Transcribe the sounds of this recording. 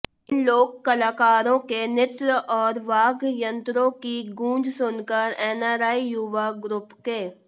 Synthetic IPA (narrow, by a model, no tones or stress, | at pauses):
ɪnloːɡ̚kɐlaːkaːɾõkenɪt̪ɾəʔɔːɾʋaːɡjə̃nt̪ɾõkiɡũːd͡ʒsʊnkəɾɛːnaːɾaːijʊʋaɡɾʊpkeː